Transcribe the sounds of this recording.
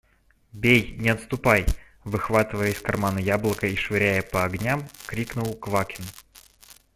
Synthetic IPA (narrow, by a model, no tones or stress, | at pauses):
bʲejnʲɪɐt̪st̪ʊpaj | vɨxvat̪ɨvəjəɪskɐrmanəjablˠəkəiʂvɨɾʲæjəpəɐɡnʲamkɾʲiknʊlˠkvakʲɪn